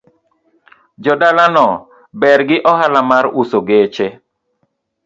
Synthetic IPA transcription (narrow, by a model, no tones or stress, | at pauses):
d͡ʒɔdalanɔ | bɛɾɡɪʔɔhalamaɾusoɡet͡ʃe